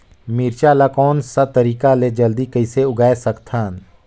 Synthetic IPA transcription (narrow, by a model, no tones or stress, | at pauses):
miːɾt͡ʃalakɔːnsat̪əɾiːkaled͡ʒəld̪ikəɪseʊɡaːesəkt̪ʰaːn